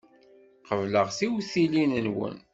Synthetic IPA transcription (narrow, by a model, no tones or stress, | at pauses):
qəvləʁθiwθilinənwə̰n